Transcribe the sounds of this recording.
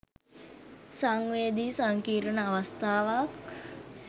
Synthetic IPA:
saŋʋeːd̪isaŋkiːɾənəaʋast̪aːʋak

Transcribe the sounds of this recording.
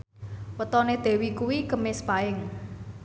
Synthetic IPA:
wət̪ɔned̪̥e̤wikuwikəmɪspaɪŋ

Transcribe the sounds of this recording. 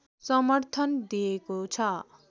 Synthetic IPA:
sʌmʌrt̪ʰʌnd̪ijekot͡sʰʌ

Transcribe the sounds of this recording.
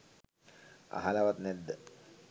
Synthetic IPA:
a̰ɦalaʋat̪nɛd̪ːə

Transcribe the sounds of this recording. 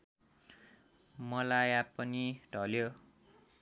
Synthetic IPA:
mʌlajapʌniɖʱʌljo

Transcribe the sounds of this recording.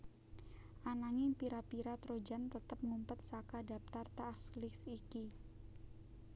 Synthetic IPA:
ʔanaŋɪŋpiɾapiɾat̪ɾod͡ʒant̪ət̪əp̚ŋumpət̪̚sakadap̚t̪art̪aːslɪsiki

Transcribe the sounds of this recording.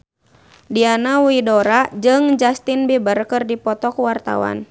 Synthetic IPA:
dianawidɔɾad͡ʒɨŋd͡ʒast̪inbibərkɨrdipɔt̪ɔkuwart̪a̰wa̰n

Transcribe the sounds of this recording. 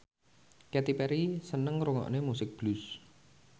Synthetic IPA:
kɛt̪ipɛɾisənəŋɾuŋɔ̰ʔnemusɪk̚b̥lus

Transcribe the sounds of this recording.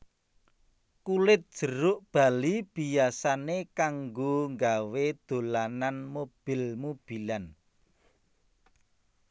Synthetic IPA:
kulɪt̪̚d̥ʒ̥ə̤ɾʊʔb̥a̤lib̥ijasanekaŋɡoŋɡawed̪̥o̤lananmob̥ɪlmob̥ilan

